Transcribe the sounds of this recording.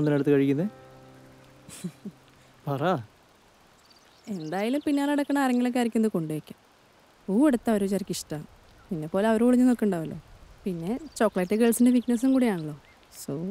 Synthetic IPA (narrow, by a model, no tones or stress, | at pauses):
onːɐneɽut̪ːɨkɐɻikʲːunːɐð | pɐra | e̞nd̪aːjalumpinːjaːlɐɽɐkːɐɳɐɐrɐŋːɐlokːɐɾikʲːunɐðɨko̞ɳɖeekʲːa | uːeɽut̪ːɐoɾut͡ɕɐrɐkʲːiʂʈaɳ | pinːe̞pːoːle̞ɐʋɐɾuoɭiɲːɨnokːiɳɖaːʋɐlːo̞̰ːpinːe̞t͡ɕokːɐɭɐʈːɨɡelsindeʋiknɐs̬umkuːɽijaːɳɐɭːo̞ː | so